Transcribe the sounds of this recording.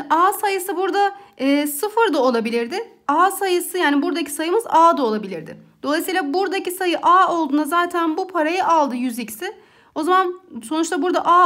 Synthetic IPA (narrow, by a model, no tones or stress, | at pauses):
ʔaːsajɯsɯbuɾd̪aɛːsɯfɯɾd̪ao̞lˠabilʲiɾd̪ɪ | aːsajɯsɯjaːnibuɾd̪acʰi̥sajɯmɯzaːd̪ao̞lˠabilʲiɾd̪ɪ̰d̪̥o̞lˠajsiːlˠabuɾd̪acisajɯʔaːo̞lˠd̪unazaːt̪ʰænbupʰaɾajɯʔalˠd̪ɯjyzici̥sɪ | o̞zamanso̞nut͡ʃt̪ʰabuɾd̪aʔaː